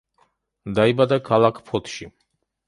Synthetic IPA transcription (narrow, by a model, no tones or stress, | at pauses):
d̪aibad̪akʰalakʰpʰɔt̪ʰʃi